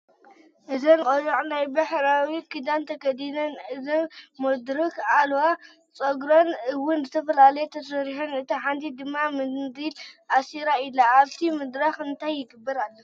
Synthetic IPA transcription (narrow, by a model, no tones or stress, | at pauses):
ʔɨzɐnkʼojɐʔʼnajbaħɾawikʰɨd̪ant̪ʰɐkɐd̪inɐnʔɨzɐnmɐd̪ɾɨkalwa | t͡sʼoɡɾonɨwʊnzɨt̪ʰɐfɐlalɐjt̪ʰɐsɐɾiħɐnɨt̪ʰiħant̪ʰid̪ɨmːamɨd̪ilʔasiɾailaaβt̪ʰimɨd̪ɾaxɨnt̪ʰajːɪɡɨbːɐɾalːɐ